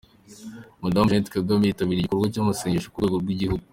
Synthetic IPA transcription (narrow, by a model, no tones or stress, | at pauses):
modamʒentkaɡamiitaβiɾiɟikuɾɡwacomuseɲiʃo̥kueːɡoɾɡwiɟihuɡu